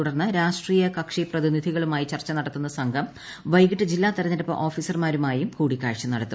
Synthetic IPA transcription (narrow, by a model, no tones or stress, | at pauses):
uɽɐrnːɨɾaːʂʈriːjɐkɐkʂiprɐðinid̪ʱiɣɐɭumaːjit͡ɕɐrt͡ɕːɐnɐɽɐt̪ːunːɐsɐŋɡʱɐm | ʋɐjɡiʈːɨd͡ʑilːaːt̪ɐɾɐniɾɐpːɐ̰ʔo̞ːfiːsɐrmaːɾumaːjumkuːɽikʲːaːɻʂɐmnɐɽɐt̪ːu